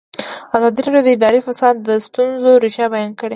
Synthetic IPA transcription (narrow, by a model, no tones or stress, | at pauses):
azɑd̪iɾɑɖjod̪əɪd̪ɑɾefasɑd̪ːəst̪unzoɾiʃɑbajɑnkəɽe